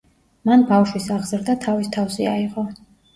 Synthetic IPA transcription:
manbafʃwisaʁzɾd̪at̪ʰavist̪ʰafsiaiʁɔ

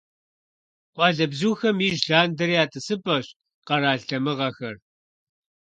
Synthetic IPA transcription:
qʷɑːɮɐbzuːxɐmiːʒɮaːndɐɾiaːtʰʼɨsɨpʼɐɕ | qɐɾaːɬtɐmɨʁɐxɐr

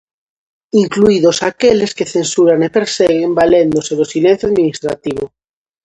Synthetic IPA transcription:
iŋkluiðo̞sakele̞skeθe̞nsuɾanepeɾseɣembale̞nd̪oselosilen̟θjaðminist̪ɾa̰t̪iβo

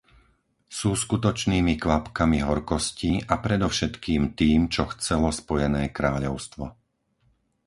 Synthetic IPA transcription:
suːskut̪ɔt͡ʃniːmikʋapkamiɦɔɾkɔsciʔapɾɛd̪ɔfʃɛt̪kiːmt̪iːmt͡ʃɔxt͡sɛlɔspɔjɛnɛːkɾaːʎɔʊst̪ʋɔ

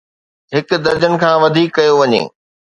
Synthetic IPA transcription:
ɦɪkd̪ɐɾd͡ʑənɪ̆kʰãːʋɐd̪ʱiːkːɐjoʋɐɲḛː

